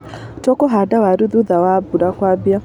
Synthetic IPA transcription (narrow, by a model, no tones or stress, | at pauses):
tɔkɔɦadawaɾuðuðawabuɾakwabja